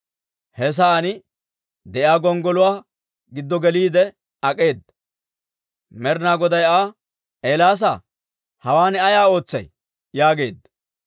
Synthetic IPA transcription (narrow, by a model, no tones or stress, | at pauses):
hɛs̬aːnɪ | d̪ɛʔjaːɡɔŋɡɔlʊwaː | ɡɪd̪ːɔɡɛliːd̪ɛ | ɐkʼe̞ːd̪ɐ | mɛɾnaːɡɔd̪ɐjaː | ʔeːlaːs̬a | hɐwaːnɛɐjaːo̞ːt͡sːɐ̰j | jaːɡe̞ːd̪ːɐ